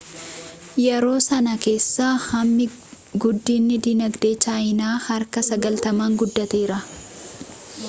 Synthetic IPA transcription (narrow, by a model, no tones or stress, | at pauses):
jɛɾo̞ːsɐnɐke̞ːsːaːhɐmːɪ | ɡʊd̪ːiːnːɪd̪inɐɡd̪e̞ːt͡ʃaːjɪnaːhɐɾkɐsɐɡɐlt̪ɐmaːŋɡʊd̪ːɐt̪eːɾɐ